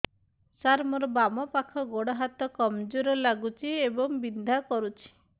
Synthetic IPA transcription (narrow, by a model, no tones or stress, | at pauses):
saɾmɔɾɔbamɔpakʰɔɡoɽɔɦat̪ɔkɔmd͡ʒuɾɔlaɡut͡ʃʰiebɔŋbind̪ʱakɔɾut͡ʃʰi̥